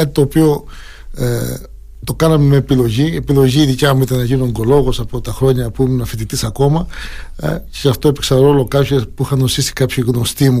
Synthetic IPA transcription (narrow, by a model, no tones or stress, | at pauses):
ɐt̪it̪oːpio̞ | t̪o̞kɐnɐmemeːpilo̞ʝiepilo̞ʝiːðicɐmuit̪ɐnɐʝinoŋɡo̞lo̞ɣo̞sɐpo̞t̪ɐxɾo̞ɲɐpuimnɐfit̪it̪isɐko̞mɐ̰ | ceɐft̪o̞epeksɐnɾo̞lo̞kɐpçespuixɐnosisi̥kɐpçiɣnost̪imu